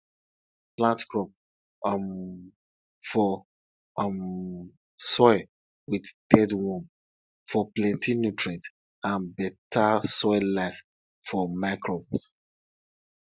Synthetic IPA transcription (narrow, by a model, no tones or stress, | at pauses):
plãntkɹɔp̚ | m | fɔ | m | sɔɪ | widd̥ɛdwɔ̃m | fɔplɛ̃ntʰĩnutʰɹɛt | ãnbɛtʰasɔɪlaɪf | fɔmaɪkɹɔbs